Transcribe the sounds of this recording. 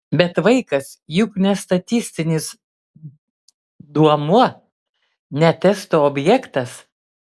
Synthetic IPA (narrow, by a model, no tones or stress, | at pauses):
bʲɛt̪ʋɐɪkɐs | jʊknʲɛst̪ɐt̪ʲɪsʲt̪ʲɪnʲɪs | d̪uɔmuɔ | nʲɛt̪ʲɛst̪oːobʲjɛkt̪ɐs